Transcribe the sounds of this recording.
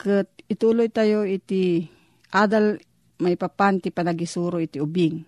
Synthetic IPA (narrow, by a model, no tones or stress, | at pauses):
kət̪̚ɪt̪ulojt̪ajoit̪i | ʔad̪al | maipapant̪ipanaɡisuɾoit̪iubiŋ